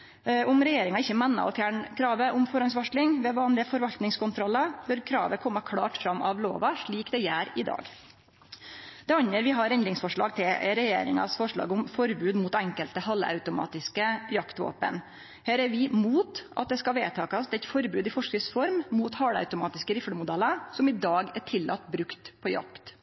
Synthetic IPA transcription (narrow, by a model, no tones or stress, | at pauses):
ʔʊmɾɛjeːɾɪŋɑɪçːəmɛnːɑ̰ɔfjæːɳkʰɾɑːʋəʔʊmfɔɾɑnsʋɑʂlɪŋʋɛʋɑːnlɪəfɔɾʋɑlt̪nɪŋskʊnt̪ʰɾɔlːɑbœɾkʰɾɑ̰ːʋəkʰɔmːəkʰɽɑ̰ːʈfɾɑmːʔɑʋlo̰ːʋɑʂɭiːkd̪ɛjæːɾɪd̪ɑ̰ːɡ | d̪̥ɛɑnəɾʋɪɦɑɾɛnd̪ɾɪŋsfɔʂɭɑ̰ːɡ̚t̪ʰɪlɾɛjḛːɾɪ̰ŋɑ̰sfɔʂɭɑ̰ːɡʊmfɔɾbʉːd̪muːt̪æŋkəlt̪əhɑlːɑ̰ʉt̪ʊmɑ̰ːt̪ɪskəjɑkt̪ʋo̰ːpə̰n | hæːɾæɾʋɪmuːt̪ɑ̰t̪̚d̪ɛskɑʋeːt̪ʰɑːkɑsd̪ɛt̪fɔɾbʉːd̪ɪfɔʂkɪsfɔɾmmuːt̪hɑɽɑ̰ʉt̪ʊmɑːt̪ɪskəɾɪfɽəmʊd̪ɛləsɔmɪd̪ɑːɡæʈʰɪlːʔɑ̰t̪ːbɾʉkt̪pʰɔjɑ̰kt̪